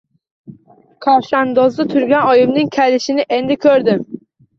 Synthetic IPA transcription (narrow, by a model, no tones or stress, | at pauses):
kʰɒʃand̪ɒzd̪at̪ʰʊɾɡʲanɒjɪmnɪŋkʲʰelɪʃɪnɪʔe̞nd̪ɪkʲʰɵɾd̪ɪm